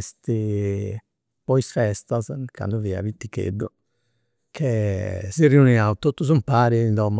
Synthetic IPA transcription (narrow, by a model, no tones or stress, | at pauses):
st̪i | pɔisfɛst̪azkʰa̰nd̪uvia̰vit̪ːikḛɖːu | kʰesiriuniawt̪ot̪ːuzumpaːɾind̪ɔm